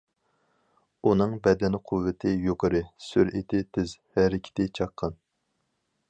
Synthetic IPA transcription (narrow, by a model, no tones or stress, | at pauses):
unɨŋbɛd̪ɛnqʰʊvːɪt̪ʰɪjoqʰəɾɨsyɾʔet̪ʰɪt̪ʰɪzhɛɾɪkʲʰɪ̥t̪ɪt͡ʃʰɑqʰːɑn